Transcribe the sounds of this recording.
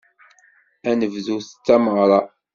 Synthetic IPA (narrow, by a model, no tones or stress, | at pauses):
ænəvðuθə̥t͡sːæməʁɾˤɑ